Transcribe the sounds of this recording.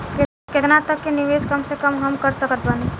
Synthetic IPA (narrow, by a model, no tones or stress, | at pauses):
kɪt̪nat̪əkːenɪʋeːskɐmsekɐmɦɐmkɐɾsəkət̪̚baːni